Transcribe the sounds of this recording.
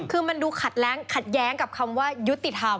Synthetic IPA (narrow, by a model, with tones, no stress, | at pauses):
kʰɯː˧ma˧nduː˧kʰa˨˩t̪̚lɛː˦˥ŋkʰa˨˩t̪̚jɛː˦˥ŋka˨˩p̚kʰa˧mwaː˥˩ju˦˥t̪ːi˨˩t̪ʰa˧m